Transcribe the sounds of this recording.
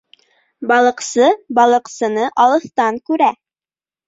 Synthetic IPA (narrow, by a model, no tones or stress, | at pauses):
bɑlˠɤ̆qsɤbɑlˠɤ̆qsɤ̆nɤʔɑlˠɤ̆θt̪ɑŋkʉɾæ